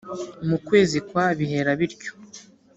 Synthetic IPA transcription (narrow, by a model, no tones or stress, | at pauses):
mukwe̞ːzikwaβiɦe̞ɾaβiɾco̥